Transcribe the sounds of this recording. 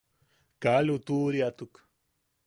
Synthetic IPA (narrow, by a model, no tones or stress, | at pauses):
kalut̪uɾiat̪uk